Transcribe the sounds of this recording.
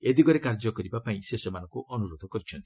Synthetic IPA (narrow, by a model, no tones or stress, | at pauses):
ied̪iɡɔɾekaɾd͡ʒɔkɔɾibapaĩsesɔmanɔ̃ŋkuʔɔnuɾod̪ʱɔkɔɾit͡ʃʰɔnt̪i̥